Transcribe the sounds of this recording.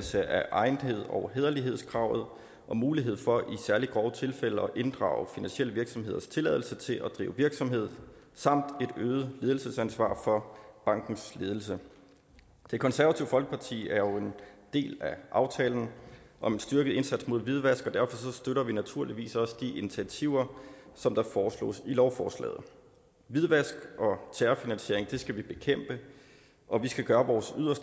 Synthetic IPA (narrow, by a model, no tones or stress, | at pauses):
lsəʔæʔɑ̈ɪnɦe̝ð̞̰ˠɒʊɦeːðˠɐliɦe̝ð̞̰ˠskʰʁɑ̈ʊð̞̩ˠ | ʔɒ̽muːliɦe̝ð̞̰ˠfɒ̽ʔisæɐliɡ̥ʁɒʊət͡sʰe̝lfel̰əɒ̽ʔe̝nd̥ʁɑ̰̈ːʊfinænsiel̰əʋiɐɡ̥sɒmɦe̝ðˠɐst͡sʰe̝lɛðˠl̩sət͡sʰe̝lʔæd̥ʁḭːʊəʋiɐɡ̥sɒ̽mɦe̝ð̞̰ˠsɑ̈m̰d̥e̝d̥øːð̩ˠle̝ð̞ˠl̩səsænsʋɑ̰̈ːfɒ̽b̥ɑ̈ŋ̰ɡ̥n̩sle̝ð̞ˠl̩sə | d̥e̝kʰɒ̽nsæɐʋæt͡sʰiʊfɒ̽lɡ̥əpʰɑ̈t͡sʰḭːæɐjo̝e̝nd̥e̝̰ːlæʔɑ̈ʊt͡sʰɛ̰ːln̩ʔɒ̽me̝nsd̥yɐɡ̥əð̩ˠe̝nsæd̥smo̝ð̞̰ˠʋið̞ˠʋæsɡ̥ɒd̥æɐfɒ̽sɒ̽sd̥øɾɐʋinæt͡sʰuɐliʋḭːsɒ̽səd̥iʔinit͡sʰiæt͡sʰiʊ̰ɐsɒ̽md̥ɑ̈fɒːslɔ̰ːsilɒʊfɒ̰ːslɛ̰ːð̩ˠ | ʋið̞ˠʋæsɡ̥ʔɒ̽t͡sʰæːɐfinænɕe̝̰ɐe̝ŋd̥e̝sɡ̥æʋib̥e̝kʰem̰b̥ə | ʔɒ̽ʋisɡ̥æɡ̥ɶːɐʋɒːsyðˠɐsd̥